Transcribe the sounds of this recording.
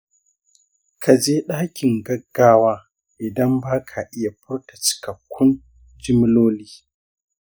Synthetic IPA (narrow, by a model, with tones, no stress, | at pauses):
kʰa˨d͡ʒeː˦ɗaː˦kʲɪ˨ŋɡɐ˦ɡːaː˦waː˦ | ʔɪ˨dɐ˦mbaː˦kʰa˨ʔɪ˦ja˨ɸʊ˦rta˨t͡ʃɪ̥˨kɐ˨kʷːʊ˦n | d͡ʒɪ˦m˦loː˦liː˦